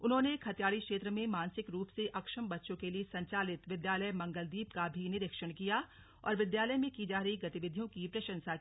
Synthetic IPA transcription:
ʊnɦõːnekʰɐt̪ijaːɽikʃeːt̪ɾəmẽmaːnsɪkɾuːpseʔɐkʃəmbɐtːʃõkeliesɐ̃ɲt͡ʃaːlɪt̪ʋɪd̪jaːləmɐ̃ŋɡəld̪iːpkabʱinɪɾɪkʃəɽ̃kijaː | ɔ̰ːɾʋɪd̪jaːləjmẽkid͡ʒaːɾɐɦiɡɐt̪ɪʋɪd̪ʱijõkipɾɐʃə̃nsa

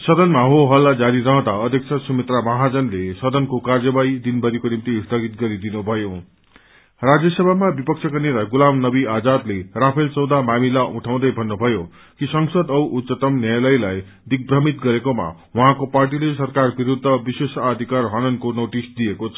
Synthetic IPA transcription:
sʌd̪ʌnmaɦoɦʌlːad͡zaɾiɾʌɦʌ̃d̪aʌd̪ʱjʌksʰʌsumit̪ramʌɦad͡zʌnlesʌd̪ʌnkokard͡zʌbaid̪inbʱʌɾikonimt̪ist̪ʰʌɡit̪̚ɡʌɾid̪inubʱʌjo | rad͡zjʌsʌbʱamabipʌk̚t͡sʰjʌkʌneɾaɡulamnʌbiad͡zad̪lerapʰelt͡sʌwd̪amamilauʈʰaw̃d̪ʌjbʱʌnːubʱʌjo | kisʌŋsʌd̪ʌwʔut̪sʌt̪ʌmnjajlʌjlaj | d̪ik̚brʌmit̪ɡʌɾekoma̰wʌɦãkoparʈ̬ilesʌrkarbiɾud̪ʱːʌbisesad̪ʱikarɦʌnʌnkonoʈisd̪iekot͡sʰʌ̥

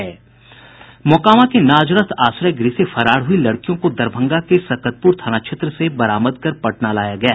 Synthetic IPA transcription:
ɛː | mɔkaːʋãkenaːd͡ʒɾət̪ʰaːsɾajɡɾisefɐɾaːɽɦʊilɐɽkijõkod̪ɐɾbʱə̃ŋɡakesɐkət̪̚pʊɾt̪ʰaːñaːkʃʰet̪ɾəsebɐɾaːməd̪̚kɐɾpɐʈnalaːjaɡɐjaː

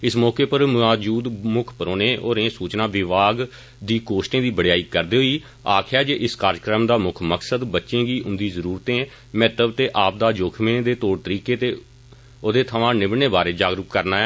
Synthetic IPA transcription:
ɪsmɔːkeːpəɾmaːd͡ʒuːd̪mʊkʰpəɾoːneːʔoːɾẽːsuːt͡ʃnãːʋɪʋaːɡ | d̪iːkoːʃʈẽːd̪iːbəɽejaːiːkəɾd̪eːɦoːiː | aːkʰjaːd͡ʒeːʔɪskaːɾkɾəmd̪aːmʊkʰməksəd̪bətːʃẽːɡiːʔʊnd̪iːzəɾuːɾt̪ẽː | mɛːt̪əbt̪eːʔaːp̚d̪aːd͡ʒoːkʰmẽːd̪eːt̪oːɽt̪əɾiːkeːt̪eː | oːd̪eːt̪ʰəʋãːnɪbneːbaːɾeːd͡ʒaːɡɾəkkːəɾnaːɛ

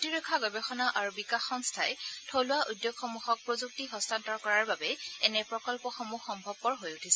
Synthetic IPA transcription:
tiɹɔkʰːaɡɔbɛxɔnaʔaɹubikaxɔnstʰajtʰowlʊwaʔujdjoɡxɔmuxɔk̚pɹozuk̚tiɦɔstantɔɹkɔɹaɹbabɛɛnɛpɹɔkɔlpɔxomuxɔmbʱɔb̚ːɔɹɦojutʰisɛ

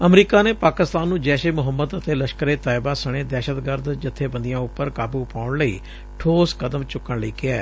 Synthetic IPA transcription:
əmɾiːkaːneːpaːkɪst̪aːnːũːd͡ʒɛːʃeːmʊɦəmːəd̪ət̪eːləʃkəɾeːt̪aːɪbaːsəɽ̃eːd̪ɛːʃət̪ɡəɾd̪d͡ʒɪt̪ʰːeːbə̃nd̪ijãːʊpːəɾkaːbuːpaːʊɳləḭː | ʈʰoːskəd̪əmt͡ʃʊkːəɳləiːkɪaː

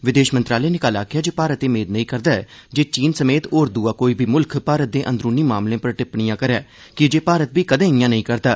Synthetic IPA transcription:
ʋɪd̪eːʃmənt̪ɾaːleːnɪkaːlaːkʰɪjaːd͡ʒeːpaːɾət̪eːmeːd̪nəĩːkəɾd̪aːɛːd͡ʒeːt͡ʃiːnsəmeːt̪oːɾd̪uːaːkoːiːbʱiːmʊlkʰpaːɾət̪̚d̪eːʔə̃nd̪ɾuːniːmaːmlẽːpəɾʈɪpɳɪjãːkəɾɛː | kɪd͡ʒeːpaːɾət̪biːkəd̪ẽːɪjãːnəĩːkəɾd̪aː

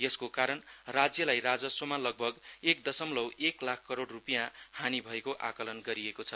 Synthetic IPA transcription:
jʌskokaɾʌnrad͡zjʌlajrad͡zʌswʌmalʌɡ̚bʱʌɡek̚d̪ʌsʌmlʌweklakʰkːʌɾoɽrupijãhãnibʱʌekoʔa̰kʌlʌnɡʌɾiekot͡sʰʌ

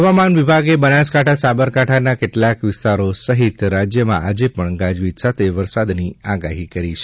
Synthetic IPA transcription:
ɦəʋamanʋibʱaɡebənaskaʈʰasabəɾkaʈʰanakeʈlakʋɪst̪aɾosəɦit̪ɾad͡ʒjəmã̰ad͡ʒepəɳɡad͡ʒʋit̪sat̪ʰeʋəɾsad̪niaɡaɦikəɾit͡ʃʰe

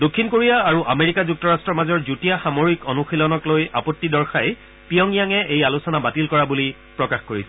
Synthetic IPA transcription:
dokʰːinkoɹijaːɹuʔameɹikazuk̚tɔɹastɹɔmazɔɹzutijaxamoɹikɔnuxilɔnɔkloja̰pɔtːidɔɹxaj | pijɔŋijaŋɛejalusɔnabatilkɔɹabuli | pɹɔkaxkoɹisɛ

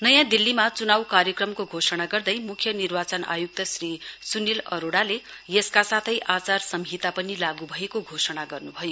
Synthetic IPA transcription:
nʌjãd̪ilːimat͡sunawkarjʌkrʌmkoɡʱosʌɽ̃aɡʌrd̪ʌjmukʰjʌnirbat͡sʌna̰juk̚t̪ʌsrisunilʌ̰ɾoɽale | jʌskasat̪ʰʌjʔat͡sarsʌmɦit̪apʌnilaɡubʱʌekoɡʱosʌɽ̃aɡʌrnubʱʌjo

